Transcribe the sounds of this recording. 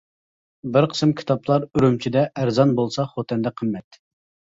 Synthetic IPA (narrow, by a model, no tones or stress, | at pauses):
bɪɾqʰə̥sɨmkʲʰi̥t̪ɑplˠɑɾyɾymt͡ʃʰid̪ɛʔæɾzɑnbolˠsɑχot̪ʰɛnd̪ɛqʰəmːɛt̪